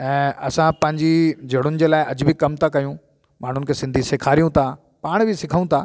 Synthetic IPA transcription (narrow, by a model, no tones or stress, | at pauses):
ɛ̃ːɐsãpɐ̃ɦɪ̃ɲd͡ʑid͡ʑʱɐɽ̤̃ʊnɪ̆d͡ʑeːlaːɪʔɐd͡ʑʊbʱɪkɐmt̪ʰakɐjũ | maːɳ̤ʊnɪ̆kʰeːsɪ̃nd̪ʱisɪkʰaːɾijũt̪ʰa | paːɽ̃bɪsɪkʰəũt̪ʰaː